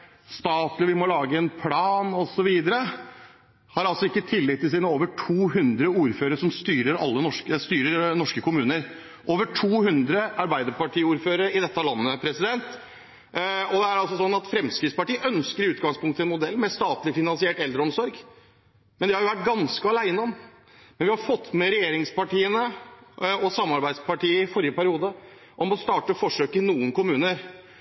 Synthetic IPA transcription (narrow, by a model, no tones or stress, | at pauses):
st̪ɑːt̪lɪʋɪmɔlɑːɡəɛnpʰlɑːnɔsɔʋiːd̪əɾə | hɑɾɑlsɔɪkːət̪ʰɪlːɪt̪ːɪs̬iːnəoːʋəʈʰuːɦʉnd̪ɾəuːɾføːɾəʂɔmst̪yːɾəɾɑ̰lːənɔʂkst̪yːɾəɾnɔʂkəkʊmʉːnəɾ | ʔoːʋəʈʰuːhʉnd̪ɾəɑɾbæɪd̪əɾpɑʈʰiːuːɾføːɾəɾɪd̪ɛt̪ːəɑlɑnːəpʰɾɛsɪd̪ɛnt̪ | ɔd̪ɛæɾɑlsɔsɔnːɑt̪fɾɛmskɾɪt̪spɑʈiːəʔœnskəɾʉːt̪ɡɑŋspʰʊŋkt̪əɛnmʊd̪ɛlːmɛst̪ɑːt̪lɪfɪnɑnsɪɛːʈɛld̪ɾəɔmsɔɾɡ | mɛnd̪ɛhɑɾjʊʋæʈ̚ɡɑnskəɑlæɪnəɔm | mɛnʋɪhɑɾfɔt̪ːmɛɾɛjeːɾɪŋspɑʈiːənə | ɔsɑmːɑɾbæɪd̪spʰɑʈiːəɪfɔɾjəpʰæɾɪuːd̪ə | ʔɔmɔst̪ɑːʈəfɔʂøːkɪnuːənkʊmʉːnəɾ